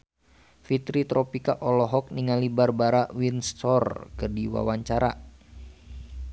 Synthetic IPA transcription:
fit̪ɾit̪ɾʔɔpikaʔɔlɔɦɔk̚niŋalibarbaɾawinst̪ɔrkərdiwa̰waɲt͡ʃaɾa

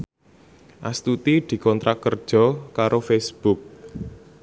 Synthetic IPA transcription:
ʔast̪ut̪id̪̥i̤kɔnt̪ɾʔakərd̥ʒ̥ɔ̤kaɾofesb̥uk̚

